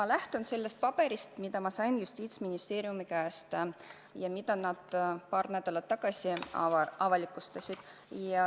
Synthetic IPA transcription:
mɑlæht̪unse̞lːe̞st̪̚pɑb̥e̞ɾist̪mid̪̥ɑmɑsɑjnjust̪iːt̪sminist̪e̞ːɾiumikæːst̪ | jɑmid̪̥ɑnɑd̪̥pɑːrnæd̪̥ɑlɑt̪ːɑɡ̥ɑsʲiɑvɑlikːˑust̪ɑsʲid̪̥ | jɑ

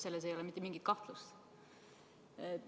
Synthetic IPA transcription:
se̞lːes̬ejo̞lɛmit̪ːemiŋɡ̥it̪̚kɑht̪lust̪ | e

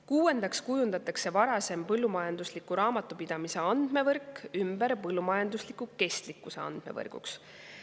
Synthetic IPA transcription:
kuːe̞nd̪̥ɑkskujund̪ɑt̪ːˑɑkse̞vɑɾɑse̞mpɤlːumɑjɑnd̪̥uslikːˑuɾɑːmɑt̪ːˑupid̪̥ɑmise̞ɑnd̪̥me̞vɤrkˑymbeɾpɤlːumɑjɑnd̪uslikːuke̞st̪likːˑuse̞̰ɑ̰nd̪̥me̞̰vɤ̰rɡ̥ṵks

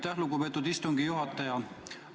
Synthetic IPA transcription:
t̪ːæhluɡupe̞ːt̪ːˑud̪ist̪uŋɡijuɦɑt̪ːˑɑjɑ

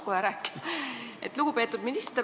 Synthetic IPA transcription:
kojɑɾæːkːi̥ʔḛt̪ˑluɡ̥upe̞ːt̪ːˑud̪minist̪eɾ

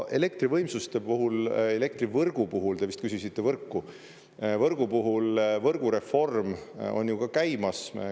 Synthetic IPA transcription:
ʔe̞le̞k̚t̪rivɤjmsust̪e̞puɦule̞le̞k̚t̪rivɤrɡ̥upuɦuld̪̥e̞vist̪kys̬ʲusit̪ːe̞vɤrkːu | vɤrɡ̥upuɦulvɤrɡ̥uɾe̞fo̞rmo̞̰nʲjukɑkæjmɑs

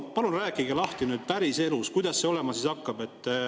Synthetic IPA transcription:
pɑlunræːkːˑiɡelɑht̪inyːd̪̥̚pæɾise̞luskujd̪̥ɑsːe̞o̞lemɑsisɑkːɑbe̞t̪ːˑ

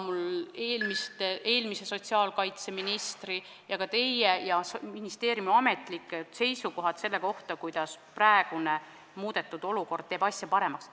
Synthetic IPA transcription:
muleːlmist̪eʔe̞ːlmise̞so̞t̪ʲsiɑːlkɑjt̪se̞minist̪ri | jɑkɑt̪e̞jejɑminist̪eːɾjumɑme̞t̪ˑlik̪ːˑse̞jsuko̞ɦɑt̪se̞lːe̞ko̞ht̪ɑkujd̪̥ɑspræeɡ̥une | muːd̪̥e̞t̪ːˑud̪̥o̞luko̞rd̪̚t̪eːbɑsʲjɑpɑɾe̞mɑks

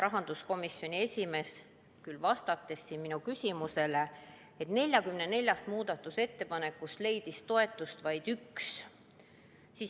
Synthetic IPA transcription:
ɾɑɦɑnd̪̥usko̞misjo̞nʲie̞sʲime̞ːs | kylvɑst̪ɑt̪ˑːe̞sːinminukysʲimuse̞le | et̪ne̞lʲjɑkymnene̞lʲjɑst̪muːd̪̥ɑt̪ːˑuse̞t̪ːe̞pɑne̞kːust̪le̞jd̪̥ist̪o̞e̞t̪ːˑust̪vɑjd̪̥yks | siːs

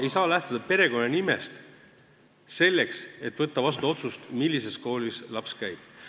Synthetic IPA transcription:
ejsɑːlæht̪ud̪̥ɑpe̞ɾe̞ɡo̞nːɑnime̞̰st̪ | se̞lːe̞kse̞t̪ːˑvɤt̪ːɑvɑst̪uo̞t̪sust̪milʲːise̞sko̞ːlislɑpskæjb̥̚

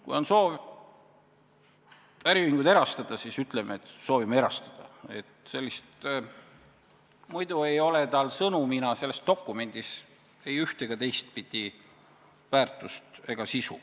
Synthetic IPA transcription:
kṵjo̞nso̞ːv | æɾiviŋɡ̥ud̪e̞ɾɑst̪ɑd̪̥ɑsisyt̪ˑlemʔeet̪so̞ːvimeeɾɑst̪ɑd̪̥ɑ̰e̞t̪se̞lʲːist̪ | mujd̪ue̞jo̞le̞t̪ɑlsɤnuminɑse̞lːest̪o̞kːˑume̞nʲd̪̥is | e̞jyht̪e̞ɡ̥ɑt̪e̞jst̪̚pid̪̥ʲi | væːrt̪ˑust̪e̞ɡ̥ɑsisṵ

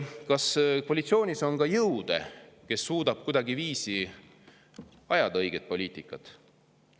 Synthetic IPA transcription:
kɑskoɑlit̪sio̞ːnʲiso̞nkɑjɤwd̪̥ḛke̞sːuːd̪̥ɑb̥̚kujd̪̥ɑɡiviːsi | ɑjɑd̪̥ɑɤjɡ̥e̞t̪̚po̞lʲiːt̪ˑikːˑɑt̪ˑ

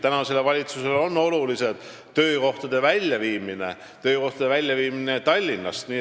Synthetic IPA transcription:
t̪ænɑse̞lːevɑlʲit̪suse̞lonːo̞lulise̞d̪̥ | t̪ø̞ːko̞ht̪ɑd̪̥e̞vælʲjɑviːmine̞ | t̪ø̞ːko̞ht̪ɑd̪e̞vælʲjɑviːminet̪ɑlʲːinːɑst̪niː

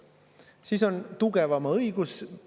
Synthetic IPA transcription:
siːso̞nt̪uɡ̥evɑmɑɤjɡ̥us

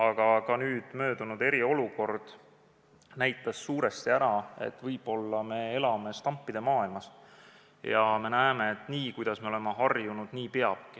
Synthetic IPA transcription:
ɑɡ̥ɑkɑnyːd̪̥mø̞ːd̪̥unud̪e̞ɾio̞luko̞rd̪̥ | næjt̪ːˑɑsːuːɾe̞st̪iæɾɑe̞̰t̪ːˑvɤjb̥o̞lːɑme̞elɑme̞st̪ɑmpːid̪̥e̞mɑːilmɑs | jɑme̞næeme̞et̪ːˑniːkujd̪̥ɑsme̞o̞lemeɦɑrjunud̪̥niːpe̞ɑb̥̚ki

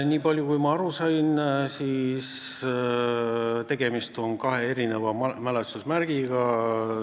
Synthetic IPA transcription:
nʲiːpɑlʲjukujmɑɑɾusɑjnsiːs | t̪e̞ɡ̥e̞mist̪o̞nkɑɦe̞e̞ɾine̞vɑmælesusmærɡ̥iɡ̥ɑ

